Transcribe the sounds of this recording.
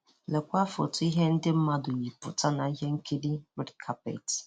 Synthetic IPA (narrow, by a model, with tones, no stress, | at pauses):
le˨kʷa˦fʊ̰˨tʊ˦i˦ɦe˦n̩˦dɪ˦m̩˦ma˦dʊ˨ji˨pʊ̰˨ta˦na˨i˦ɦe˦ŋ̩˦kʰe˦di˦wɪ˦dkʰa˦pḛ˨t